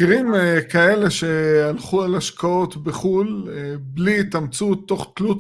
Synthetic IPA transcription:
iʁimkae̞le̞ʃe̞alχualaʃkao̞t̪beχulblit̪amt͡sut̪ːo̞χt̪lut

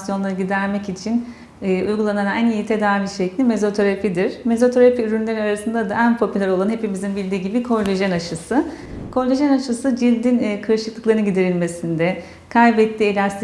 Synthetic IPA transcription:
sjo̞nlˠaɾɯɟid̪æɾmɛcit͡ʃʰinː | ujɡulˠananaænijit̪ʰe̞d̪aːviʃeclʲinme̞zo̞t̪ʰo̞ɾapʰid̪iɾ̥me̞zo̞t̪ʰo̞ɾapiyɾynlʲe̞ɾinaɾasɯnd̪ad̪aʔænpʰo̞pʰylʲæɾo̞lˠanɦe̞pimizinbilʲd̪iːɟibikʰo̞ɾlʲeʒɛnaʃɯsɯ | kʰo̞ɾlʲeʒænaʃɯsɯd͡ʒilʲd̪inːkʰɯɾɯʃɯklˠɯklˠaɾɯnɯɡɟid̪eɾilʲme̞sind̪ɛ | kʰajbɛt̪ʰːielʲast̪ʰ

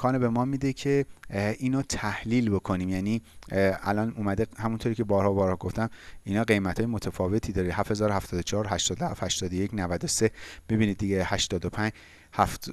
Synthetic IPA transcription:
kʰɒːnebe̞mɒːmid̪ecʰe̞iːnot̪ʰæhliːlbo̞kʰo̞niːmjæːniːælɒːnuːmæd̪ehæmunt̪ʰoɾiːcʰʲe̞bɒːɾhɒːbɒːɾhɒːɡo̞ft̪æminhɒːɢe̞jmæt̪ʰɒːjemot̪ʰæfɒːve̞t̪ʰiːd̪ɒːɾihæfhe̞zɒːɾohæft̪ɒːd̪ot͡ʃʰɒɒːɾhæʃt̪ɒːd̪ohæ̰fhæʃt̪ɒːd̪ojecnævæd̪ose̞b̥ibiːnid̪̚ːiɟehæʃt̪ɒːd̪opʰæɲd͡ʒ | hæft̪

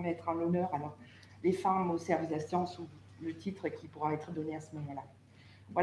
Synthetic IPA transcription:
mɛt̪χɑ̃nɔnœːʁalɔʁ | lefamosɛʁvilasjɑ̃su | lət̪ʰit̪χəkʲipuʁaɛt̪χəd̪ɔneasəmɔmɑ̃la | vwa

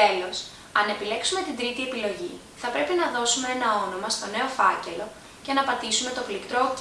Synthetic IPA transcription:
e̞lo̞s | ɐne̞pile̞ksume̞t̪ind̪ɾit̪ie̞pilo̞ʝḭ | θɐpɾe̞pinɐðo̞sume̞enɐo̞no̞mɐst̪o̞ne̞o̞fɐ̰ce̞lo̞ | ce̞nɐpɐt̪isume̞t̪o̞flikt̪ɾo̞

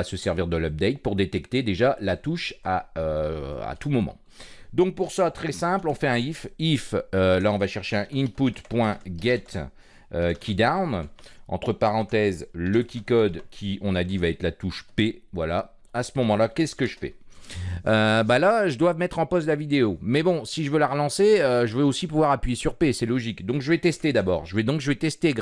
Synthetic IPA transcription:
asəsɛʁviʁd̪əlœp̚d̪ɛjt̪̚puʁd̪et̪ɛkt̪ed̪eʒalat̪uʃaøa̰t̪umɔmɑ̰̃ | d̪ɔ̃k̚puʁsat̪χɛsɛ̃plɔ̃fɛɛ̃ififølaɔ̃vaʃɛʁʃeɛ̃ʔinput̪pwɛ̃ɡʲɛt̪ | økʲid̪awnɑ̰̃t̪χəpaʁɑ̃t̪ɛzləkʲikɔd̪kʲʰiɔ̃nad̪ivaɛt̪lat̪uʃpevwala | asəmɔmɑ̃lakʲɛsə̥kəʒəfɛ̰ | øbalaʒəd̪wavmɛt̪χɑ̃pɔst̪lavid̪eomɛbɔ̃siʒəvølaʁəlɑ̃seøʒəvɛosipuvwaʁapɥijesyʁpesɛlɔʒikd̪ɔ̃kʒəvɛt̪ɛst̪ed̪abɔːʁʒəvɛd̪ɔ̃kʒəvɛt̪ɛst̪eɡ

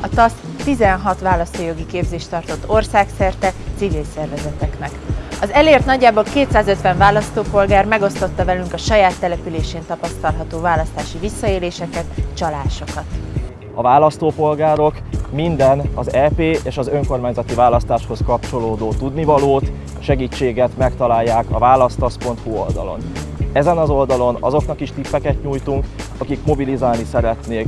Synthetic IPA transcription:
ɒt̪ɒs | t̪izɛnɦɒt̪ʋaːlɒst̪oːjo̞ɡikeːbzeːʃt̪ɒrt̪o̞t̪ːo̞rsaːksɛrt̪ɛt̪sivilsɛrvɛzɛt̪ɛknɛkɒzɛleːrt̪nɒɟːaːboːlkeːt̪saːzøt̪ʋɛɱvaːlɒst̪oːpo̞lɡaːrmɛɡo̞st̪o̞t̪ːɒvɛlyŋkɒʃɒjaːt̪ːɛlɛpyleːʃeːnt̪ɒpɒst̪ɒlɦɒt̪oːvaːlɒst̪aːʃivisːɒeːleːʃɛkɛt̪t͡ʃɒlaːʃo̞kɒt̪ | ɒvaːlɒst̪oːpo̞lɡaːɾo̞k | mind̪ɛnɒzɛːpeːʔeːʃɒzø̞ŋko̞rmaːɲzɒt̪ivaːlɒst̪aːʃho̞skɒpt͡ʃo̞loːd̪oːt̪ud̪nivɒloːt̪ | ʃɛɡiːt͡ʃːeːɡɛt̪mɛkt̪ɒlaːjːaːkɒvaːlɒst̪ɒspo̞nt̪huo̞ld̪ɒ̰lo̞̰nɛzɛnɒzo̞ld̪ɒlo̞nɒ̰zo̞knɒkiʃt̪ipːɛkɛt̪ɲuːjt̪uŋkɒkikmo̞bilizaːlnisɛɾɛt̪neːk

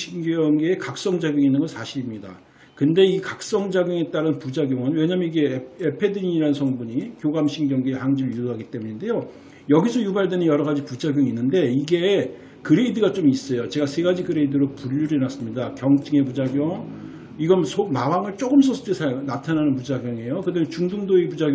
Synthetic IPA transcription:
ɕʰiŋɡʌŋɡeːkak̚s͈ʌŋd͡ʑaɡjoŋinːɯnɡʌsʰaɕʰiɾimɲida | kɯnde̞ikak̚s͈ʌŋd͡ʑaɡjoŋe̞t͈aɾɯnpud͡ʑaɡjoŋʌnwe̞ɲamjʌniɡe̞epʰe̞dɯɲiiɾanɯnsʰʌŋbuɲikjoɡamɕʰiŋɡjʌŋɡeːhaŋd͡ʑiɾjudoɦaɡit͈e̞muɲinde̞jo | jʌɡisʰʌjubaɭdwenɯnjʌɾʌɡad͡ʑipud͡ʑaɡjʌŋinːɯnde̞iɡe̞ | kɯɾeidɯɡat͡ɕ͈omis͈ʌjot͡ɕe̞ɡasʰe̞ɡad͡ʑikɯɾe̞idɯɾopuʎːuɾinas͈ɯmɲidakjʌŋt͡ɕ͈ɯŋe̞pud͡ʑaɡjʌŋ | iɡʌnsʰomabaŋɯɭt͡ɕ͈oɡɯms̬ʰʌsʰɯ̥t͈esʰanatʰananɯnpud͡ʑaɡjʌŋe̞jokɯdamjent͡ɕuŋduŋdoepud͡ʑaɡ

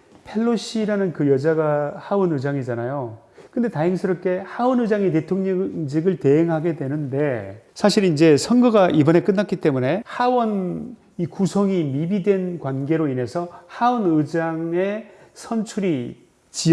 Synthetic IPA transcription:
pʰe̞ɭːoɕʰiɾanɯnkɯjʌd͡ʑaɡahawɯnɯd͡ʑaŋid͡ʑanajo | kɯnde̞taɦeŋsʰɯɾʌp̚k͈e̞hawʌnɯd͡ʑaŋite̞tʰoŋɲʌŋd͡ʑiɡɯɭte̞ɦeŋɦaɡe̞dwe̞nɯnde̞sʰaɕʰiɾind͡ʑe̞sʰʌnɡɯɡaʔibʌne̞k͈ɯnːak͈it͈e̞mune̞hawʌn | ikusʰʌŋimibidwe̞nkwanɡe̞ɾoine̞sʰʌhaʌnɯd͡ʑaŋe̞sʰʌnt͡ɕʰuɾi | t͡ɕi

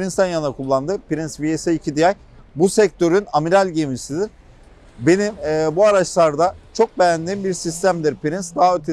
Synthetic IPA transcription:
ɾinsænjanaɾkʰulˠːand̪ɯpiɾinsvieseicʰid̪ijaj | busɛc̚t̪ʰø̞ɾynamiɾalʲɟemisid̪iɾ̥ | be̞nimːbuaɾat͡ʃlˠaɾd̪at͡ʃʰo̞k̚bejænd̪imbiɾsist̪ʰæmd̪iɾpiɾinsd̪aɦaøt̪ʰe

